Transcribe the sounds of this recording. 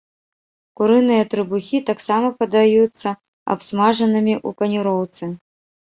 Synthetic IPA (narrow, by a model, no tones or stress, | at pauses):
kuɾɨnɨjɐt̪ɾɨbuxʲit̪aksamɐpɐd̪ajut̪sːɐ | a̰psmaʐɐnɨmʲiʔupɐnʲuɾɔwt̪sɨ